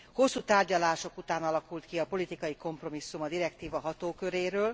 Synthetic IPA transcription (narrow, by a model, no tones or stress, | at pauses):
ho̞sːuːt̪aːrɟɒlaːʃo̞kut̪aːnɒlɒkult̪kiɒpo̞lit̪ikɒjiko̞mpro̞misːumɒd̪iɾɛkt̪iːvɒɦɒt̪oːkø̞ɾeːɾøːl